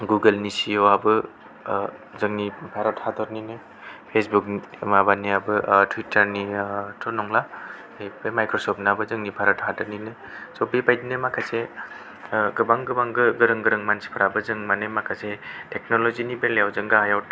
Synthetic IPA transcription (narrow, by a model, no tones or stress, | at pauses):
ɡuɡəlnisijɔabɯ | zɯŋnipʰaɾɔthadɔɾninɯ | pʰesbuk̚nimabaniabɯtʰwitʰɐɾnitʰɔnɔŋla | ebemajkɾɔsɔp̚nabɯzɯŋnipʰaɾɔthadɯɾninɯ | sɔbipajdinɯmakʰase | ɡɯbaŋɡɯbaŋɡɯɡɯɾɯŋɡɯɾɯŋmansi̥pʰɯɾabɯzɯŋmanɯmakʰasetʰek̚nolɔzinibelejawzɯŋɡɯɦajawt